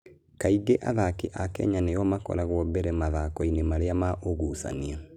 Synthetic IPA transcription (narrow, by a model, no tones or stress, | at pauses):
kaiɡeʔa̰ðakeʔakɛ̰ɲanejɔmakɔ̰ɾaɣwɔbɛɾɛmaðakɔinemaɾeamaʔoɣusa̰nia